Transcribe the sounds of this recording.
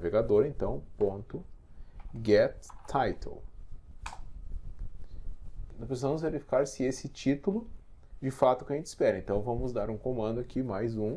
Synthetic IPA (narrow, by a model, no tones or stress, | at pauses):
veɡad̪oɾẽnt̪ɐ̃w̃põnt̪ʊ | ɡɛtt̪ʰajt̪ʰḛl | nɐ̃pɾesizɐmʊzveɾifi̥kaɾsɪesɪt͡ʃit̪ʊlʊ | d͡ʒɪfat̪ʊ̥kʲɪɐʒẽnt͡ʃɪspɛɾɐẽnt̪ɐ̃w̃vɐ̃mʊzd̪aɾũkõmɐ̃nd̪ʊakʰimajzũ